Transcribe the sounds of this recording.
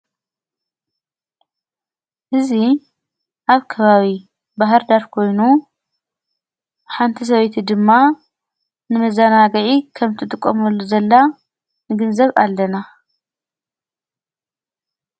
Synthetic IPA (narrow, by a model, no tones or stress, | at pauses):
ʔɨzi | ʔaβkʰɐβaβi | baɦɨɾd̪aɾkʰo̞jnu | ħant̪ʰis̬ɐβejt̪ʰid̪ɨmːa | nɨmɐzanaɡɐʕikʰɐmt̪ʰɨt̪ʼɨkʼːɐ̰mɐlːuzɐlːa | nɨɡɨnzɐβa̰lːɐna